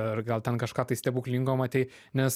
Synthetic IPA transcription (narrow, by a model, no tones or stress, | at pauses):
ɾɡɐlˠt̪ʲɛnkɐʃkɑːt̪ɐɪsʲtʲɛpuːklʲiŋɡoːmɐt̪ʲɛɪ | nʲɛs